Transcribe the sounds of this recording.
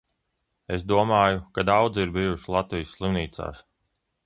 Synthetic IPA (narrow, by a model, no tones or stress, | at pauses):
es̬d̪uɔmaːjukad̪awd̪ziɾbijuʃilˠat̪vijsːlˠimniːt̪sa̰ːs